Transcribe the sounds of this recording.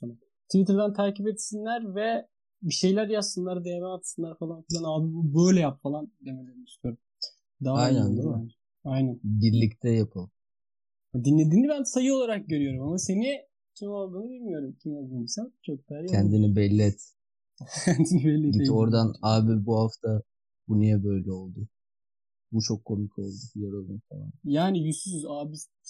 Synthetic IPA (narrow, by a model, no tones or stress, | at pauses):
enan | t̪ʰivit̪ɾd̪ænt̪ʰaːcipeɛt̪sinlʲæɾvɛ | biʃe̞jlʲæɾjapsɯnlˠaɾd̪ejemɛat̪sɯnlˠaɾfalˠanfilʲænaːbibubøjlʲɛjapfalˠand̪eme̞lʲeɾinist̪ʰyjoɾum | d̪aɦaj̪and̪ɯan | ajnænbiɾlʲict̪ʰɛjapʰɯlˠ | ad̪inlʲe̞d̪iːnibænsajɯo̞lˠaɾak̚ɟø̞ɾyjo̞ɾumamase̞ni | t̪ʰimalˠɡ̪ɯnɯd̪ilmijo̞ɾumt̪ʰimalɡ̪ɯmbisæt͡ʃʰok̚d̪æɾjacʰɛnd̪inibɛlʲːɛt̪ | cʰɛnd̪ʰinibɛlʲːɛio̞ɾd̪anaːbiɾbuhaft̪ʰa | bunujabø̞jlʲɛo̞lˠd̪ʊ | but͡ʃʰo̞kʰːo̞mikʰo̞lˠd̪ujoɾolˠunfa̰lˠa̰njaːnijyst̪ysyzaːbiɾ